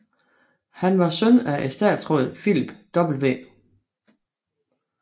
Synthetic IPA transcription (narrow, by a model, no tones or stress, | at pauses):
hænʋɑ̈sœnæʔesd̥ɛ̰ːd̥sʁɔ̰ːð̰ˠfilb̥d̥ɒ̽b̥l̩ʋe̝̰ː